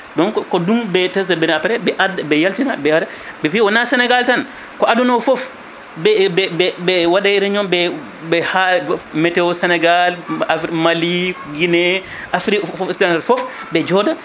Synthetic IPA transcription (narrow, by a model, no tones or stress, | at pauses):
dɔnkkɔdumbɛtɛsdabɛnapɛɾɛbɛʔadabɛjaltinabɛwada | bɛpiwɔnasɛnɛɡaltan | kɔadunɔfɔf | bɛbɛbɛbɛwaɗaiɾɛɲɔmbɛ | bɛhamɛtɛwɔsɛnɛɡalafɾmaliɡinɛ | ʔafɾifstaalfɔf | bɛd͡ʒɔda